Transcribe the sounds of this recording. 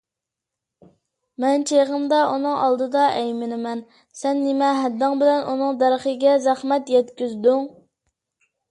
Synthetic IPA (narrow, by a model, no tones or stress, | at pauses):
mɛnt͡ʃʰeʁəmd̪ɑʔunɨŋʔɑlˠd̪ɨd̪ɑʔɛjmɪnɪmɛn | sɛnːɪmɛɦɛd̪ːɑŋbɪlɛnʔunɨŋd̪æɾχəɡʲɛzæχmɛt̪jɛt̪kʲyzd̪yŋ